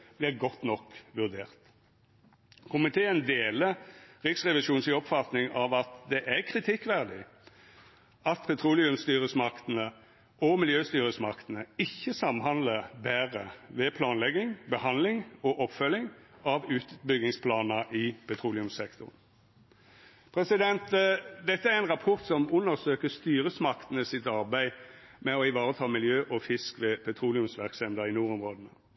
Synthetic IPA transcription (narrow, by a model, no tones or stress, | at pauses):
b̥lɪʁɡɔt̪ːnɔkːʋʉʁd̪eːʁt̪ | kʰʊmɪt̪ʰeːənd̪eːləʁɪksʁɛʋɪʃuːnsɪɔpfɑt̪nɪŋɑʋɑt̪d̪ɛʔækʰʁɪt̪ʰɪkːʋæʁd̪ɪ | ʔɑt̪pʰɛt̪ʰʁuːlɪʉmst̪yːʁəsmɑkt̪ənə | ʔɔmɪljøːst̪yːʁəsmɑkt̪ənəɪçːəsɑmɦɑnd̪ləbæːʁəʋɛpʰlɑːnlɛɡɪŋbəhɑnlɪŋɔʔɔpfœlɪŋɑʋʉːt̪bʏɡɪŋspʰlɑːnəʔɪpʰɛt̪ʰɾuːlɪʉmsɛkt̪ʊʁn | pʰɾɛsɪd̪ɛnt̪d̪ɛt̪ːəæʁɛɪnʁɑpʰɔʁt̪sɔmʊnːəʁsøːkəst̪yːʁəsmɑkt̪ən̩əsɪt̪ɑʁbæɪmɛɔɪʋɑːʁət̪ʰɑːmɪljøːʔɔfɪskʋɛpʰɛt̪ʰʁuːlɪʊmsʋæʁksɛnd̪əʁɪnuːʁɔmʁoːd̪n̩ə̰